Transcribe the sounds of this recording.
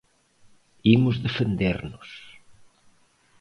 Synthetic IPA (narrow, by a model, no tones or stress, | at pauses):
imʊzðefend̪eɾnʊs